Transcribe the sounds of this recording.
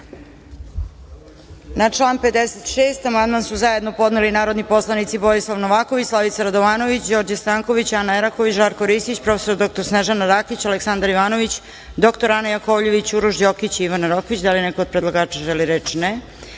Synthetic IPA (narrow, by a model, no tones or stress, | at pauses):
nat͡ʃlˠaːnped̪eset̪ʃeːst̪amand̪mansuzaje̞d̪no̞po̞d̪nelinaːɾo̞d̪nipo̞slˠanit̪siboislˠaʋnoʋaːkoʋit͡ɕslˠaʋit̪saɾad̪oʋaːno̞ʋit͡ɕd͡ʑo̞ɾd͡ʑast̪aːŋko̞ʋit͡ɕanaeɾakoʋit͡ɕʒaːɾkoɾisit͡ɕpɾo̞feso̞ɾd̪o̞k̚t̪o̞ɾsneʒanaɾakit͡ɕaleksand̪aɾiʋaːno̞ʋit͡ɕ | d̪o̞kt̪oɾanajakoʋʎeʋit͡ɕuɾuʒd͡ʑokit͡ɕiiʋanaɾokʋit͡ɕd̪alinɛko̞ːd̪̚pɾed̪lˠaɡaːt͡ʃaʒɛliɾet͡ʃnɛ